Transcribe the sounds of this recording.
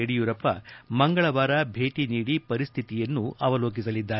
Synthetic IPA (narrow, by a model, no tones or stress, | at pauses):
eɽijuɾɐpːɐ̰mɐŋɡɐɭɐʋaːɾɐbʱe̞ːʈiniːɽipɐɾist̪ʰit̪ijɐnːuʔɐʋɐloːk̬isɐlid̪ːaː